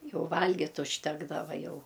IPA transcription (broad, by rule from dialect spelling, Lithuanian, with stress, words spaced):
ˈjɛʊ ˈʋɐlʲɡʲɪtʲ ʊʃʲˈtʲæːɡdɐʋɐ ˈjɛʊ